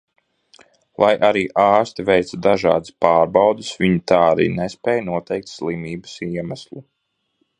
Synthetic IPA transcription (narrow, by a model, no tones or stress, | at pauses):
lˠajʔaɾiːʔaːst̪ivɛjt̪sad̪aʒɑ̰ːd̪ɨspaːɾbawd̪isvʲiɲut̪aːɾḭːnɛspɛːjnuɔt̪ɛjk̚t̪slˠimiːbə̥siɛmæslˠu